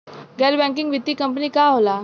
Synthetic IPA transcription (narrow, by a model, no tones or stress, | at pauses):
ɡɛɾbɛ̃ŋk̬iŋɡʋit̪ːiːkəmpniːkaɦola